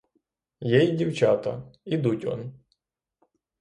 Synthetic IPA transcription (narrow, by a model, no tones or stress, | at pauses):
jejdʲiwt͡ʃat̪ɐ̰id̪utʲɔ̰n